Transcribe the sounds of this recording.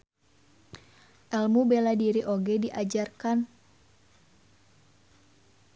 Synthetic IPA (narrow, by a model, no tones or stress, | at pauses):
ʔɛlmubeladiɾiʔoɡɛdiʔad͡ʒarkan